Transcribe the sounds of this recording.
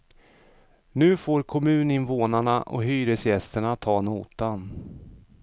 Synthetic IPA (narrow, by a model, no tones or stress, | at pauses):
nʉ̟ːfoːɾkʰɔmʉ̟ːnɪnvoːnaɳa̰ʔɔ̰ɦyːɾəsjɛst̪əɳat̪ʰɑːnṵːt̪an